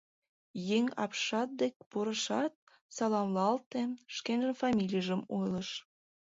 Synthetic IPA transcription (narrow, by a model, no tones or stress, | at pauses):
jeŋɑ̰pʃɑt̪̚d̪ek̚ʲpoɾəʃɑt̪̚ | sɑlɑmlˠɑlt̪enʃkenʒənfɑmʲilʲijəʒəmojləʃ